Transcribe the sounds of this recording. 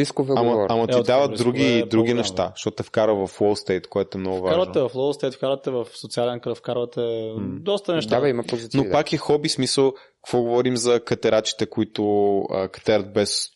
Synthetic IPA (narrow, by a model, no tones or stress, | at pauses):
iskovɛamɐamɐid̪avəd̪ɾuɡiːd̪ɾuɡ̟inɛʃt̪aʃt̪ɔt̪ɛfkaɾəvɐfwˠɔlˠst̪ɛjt̪koɛt̪oɛmnɔɡʊvaaʒvɐnɛvɐflˠɔlˠst̪ɛjt̪fkaɾvɐt̪ɛvɐfsot̪sialɛnkɾəfkaɾvɐt̪ɛd̪ɔst̪ɐnɛʃt̪aaimɐpozinopakixɔbismisəlˠ | kɐkvɔɡovɔɾimzɐkɐt̪ɛɾat͡ʃi̥t̪ɛkʊit̪ʊə̰kɐ̥t̪ɛɾət̪̚bɛs